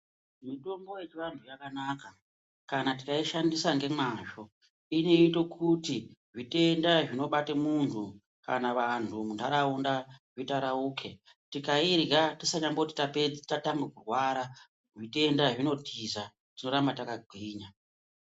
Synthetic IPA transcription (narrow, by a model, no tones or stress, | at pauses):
mito̞mbo̞je̞t͡ʃiʋantʰujakanaka | kanatikaiʃandisaŋɡe̞maʒo̞ | ino̞ito̞kʰutiʐite̞ndaʐino̞ɓatemuntʰu | ka̰naʋantʰumundaɾaundaʐitaɾauːkʰe | tikairɡatisaɲambouti̥tapetatambekurwaɾa | ʐite̞ndaʐino̞tʰiza | tino̞ɾambatakaɡʱiːɲa